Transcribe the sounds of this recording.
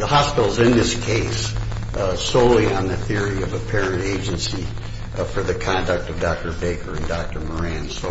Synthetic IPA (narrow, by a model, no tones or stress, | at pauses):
ðəhɑspɪɾl̩ˠzɨ̃nðɪskʰeɪs | soʊlˠiə̃nðɨθɪɹiʌvɨpʰɛɹɨ̃nteɪd͡ʒɨ̃nsi | fə˞ðɨkʰɑ̃ndɨk̚tʌvdɑk̚tə˞beɪkʰə˞ɨ̃ndɑk̚tə˞mə˞æ̃nsoʊ